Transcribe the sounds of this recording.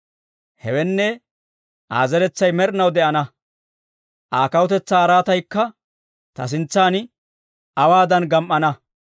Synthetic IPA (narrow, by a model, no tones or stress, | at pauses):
hɛwɛnːɛ | ʔa̰ːzɛɾɛt͡sːɐjmɛɾɪnɐwd̪ɛʔɐnɐ | ʔaːkɐwʊt̪ɛt͡sːaːɾaːt̪ɐjkːɐ | t̪ɐs̬ɪnt͡sːaːn | ɐwaːd̪ɐnɡɐmʔːɐnɐ